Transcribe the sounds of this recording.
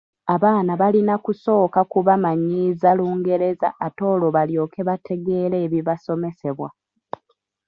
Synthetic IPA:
aβaːnaβalinakuso̞ːkakuβamaɲːiːzaluːŋɡe̞ɾe̞za̰ʔːto̞ːloβaljo̞ːke̞βatʰe̞ɡe̞ːɾe̞ːβiβaso̞me̞se̞βwa

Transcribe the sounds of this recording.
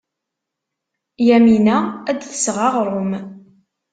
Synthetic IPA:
jæminææd̪θə̥sʁɑʁɾˤʊm

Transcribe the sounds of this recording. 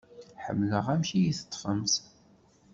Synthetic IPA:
ħə̰mːləʁæmʃijiθə̥t̪ˤːfəmθ

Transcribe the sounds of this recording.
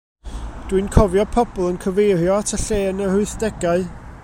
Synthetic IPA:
d̥winkʰɔvjɔpʰɔbɔlˠənkʰəvejɾjɔatʰəɬeːnəhʊɨθd̥ɛɡaɨ

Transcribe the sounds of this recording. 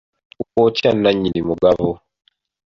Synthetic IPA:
ukɔt͡ʃanaɲinimuɡavɔ

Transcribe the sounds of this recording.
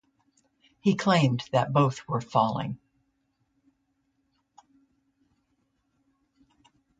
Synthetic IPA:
hikʰl̥ẽɪ̃mðɨt̚b̥oʊθwə˞fɔlˠɪ̰̃ŋ

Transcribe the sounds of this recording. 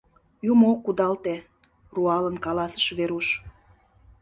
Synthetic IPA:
jumokːud̪ɑlt̪e | ruɑlənkɑlɑsə̥ʃβeɾuʃ

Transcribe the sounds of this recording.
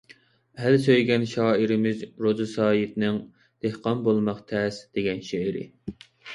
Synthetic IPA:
ælsøjɡʲɛnʃɑːiɾɪmɪzɾozɨsɑːjit̪nɪŋ | d̪̥ehqɑnbolˠmɑqt̪ʰɛsd̪̥eɡʲɛnʃeɪɾɪ̰

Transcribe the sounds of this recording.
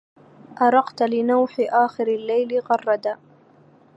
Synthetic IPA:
ʔɑɾˤɑqt̪lɪnawħɪʔaːxɪɾalːajlɪɣɑrˤːɑd̪a

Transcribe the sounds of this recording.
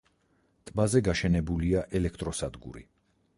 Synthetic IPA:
t̪ʼbazɛɡaʃɛnɛbuliaʔɛlɛk̚ʰt̪ʼɾɔsad̪ɡṵɾḭ

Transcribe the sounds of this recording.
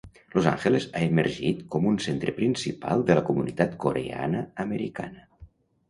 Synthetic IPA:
loza̰ŋxelezaeməɾʒit̪kɔmunsent̪ɾəpɾinsipa̰lˠd̪ələkumunit̪at̪koɾea̰nəːməɾika̰nə

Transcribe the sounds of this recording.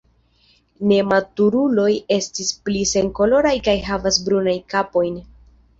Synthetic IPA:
ne̞matuɾulo̞je̞stisplise̞ŋko̞lo̞ɾajkajɦavasbɾunajkapo̞jn

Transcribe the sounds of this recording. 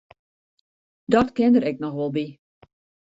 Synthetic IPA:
dɔtkɪndəɾɛknɔxʋɔlˠbi

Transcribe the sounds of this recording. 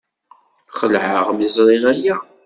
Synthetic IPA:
χəlʕəʁmizɾˤiʁæja

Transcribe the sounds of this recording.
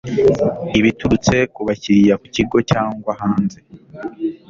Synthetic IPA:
iβituɾut͡se̞kuβaciɾijaku̥ciɡo̞caːŋɡwahaːnze̞

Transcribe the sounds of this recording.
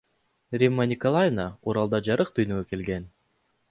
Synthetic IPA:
rʲimːanʲɪkolˠajnauɾɑlˠd̪ɑd͡ʒɑɾɯq̚t̪ʰyjnøɡøke̞lɡe̞n

